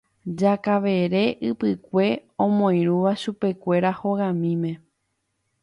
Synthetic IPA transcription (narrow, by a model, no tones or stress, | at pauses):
d͡ʒakaʋe̞ɾe̞ʔɨpɨkʷe̞õmõj̃ɾ̃uʋaʃupe̞kʷe̞ɾaho̞ɣamĩmẽ̞